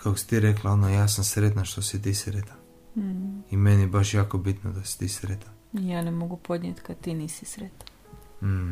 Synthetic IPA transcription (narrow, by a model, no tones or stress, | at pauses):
kakosi̥t̪iɾeklˠaonojaːsamsɾet̪naʃt̪osit̪isɾet̪an̩ | imenijebaʃjaːkobit̪nod̪asi̥t̪iːsɾet̪an | ijaːnemoɡupod̪ɲʲet̪kad̪t̪iniːsisɾet̪ḁn | m̩